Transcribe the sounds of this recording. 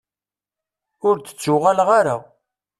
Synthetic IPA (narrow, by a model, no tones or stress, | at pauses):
ʊɾt͡sə̥t͡sːʊʁalʁaɾa̰